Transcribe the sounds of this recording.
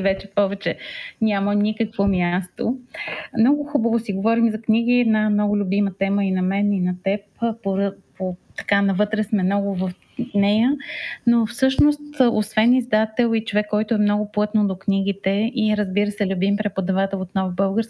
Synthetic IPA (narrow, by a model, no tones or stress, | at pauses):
vɛt͡ʃɛ̥pɔvɛt͡ʃɛnʲamənʲikəkvomʲjast̪omnɔɡʊxubəvosiɡovɔɾimzɐknʲiɡ̟iɛd̪namnɔɡʊlʲʊbimət̪ɛməinɐmɛninɐt̪ɛpoɾpot̪ɐ̥kanɐvɤt̪ɾɛsmɛmnɔɡʊvəf | nɛjənofsɤʃnost̪o̰svɛnizd̪at̪ɛlˠit͡ʃovɛkːɔjt̪ʊɛmnɔɡʊplˠɤt̪nod̪oknʲiɡit̪ɛiɾəzbiɾəsɛlʲʊbimpɾɛpod̪ɐvat̪ɛlˠot̪nɔvbɤlˠɡəɾsk